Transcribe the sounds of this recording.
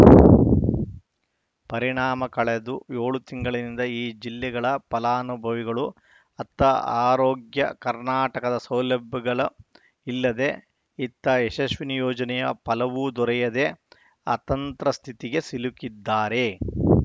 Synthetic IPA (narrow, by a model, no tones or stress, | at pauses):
pɐɾiɳaːmɐkɐɭed̪ujoːɭut̪iŋɡɐɭɐnind̪ɐiːd͡ʒilːɛɡɐɭɐpɐlaːɐnubʱɐʋiɡɐɭu | ɐt̪ːɐa̰ːɾoːɡjɐ̰kɐɾnaːʈɐkɐd̪ɐsɐwlɐbʱːɐɡɐɭɐ | ilːɐd̪e̞ | it̪ːɐeʃɐʃʋinijoːd͡ʒɐnɛjɐpɐlɐʋud̪ɔɾɛjɐd̪e̞ | ɐ̰t̪ɐnt̪ɾɐst̪ʰit̪iɡe̞silukid̪ːaːɾe̞